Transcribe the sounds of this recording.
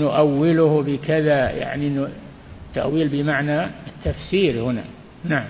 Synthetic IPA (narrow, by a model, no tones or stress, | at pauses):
nʊʔawːɪlʊhbɪkɪðaja̰ʕniʔnː | t̪ːa̰ʔwiːlbɪmaʕnaɪt̪ːafsiːɾhʊna̰ | naʕam